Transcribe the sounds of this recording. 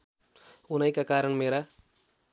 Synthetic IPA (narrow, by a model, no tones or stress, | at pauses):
unɐjkakaːɾəɳmeːɾa